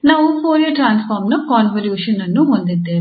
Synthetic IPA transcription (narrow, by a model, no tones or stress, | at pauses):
naːʋupʰoːɾijɐʈɾaːnspʰaːɾmnɐkaːnʋɐljuːʃɐnːɐnːuɦond̪id̪ːeː